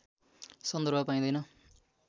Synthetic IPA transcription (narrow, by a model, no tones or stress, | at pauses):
sʌnd̪ʌrɾbʱʌpaĩd̪ʌjnʌ